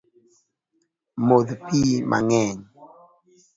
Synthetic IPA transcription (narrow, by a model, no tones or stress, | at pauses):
moðpimʔa̰ŋɛŋ